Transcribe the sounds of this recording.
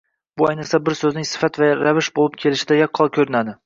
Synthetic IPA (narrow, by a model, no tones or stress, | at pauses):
bʊajnɨsabɪɾsɵznɪŋsɪ̥fat̪vaɾavɪʃbolˠɪp̚kʲʰe̞lɪʃɪd̪ajɒkʰːɒlˠkʲʰɵɾɪnad̪ɪ